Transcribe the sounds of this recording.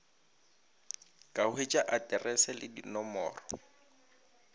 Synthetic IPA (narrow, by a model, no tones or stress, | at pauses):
kʼaʊet͡ʃʼaʔatʼɛrɛsɛlɪdinɔmɔ̰ːrɔ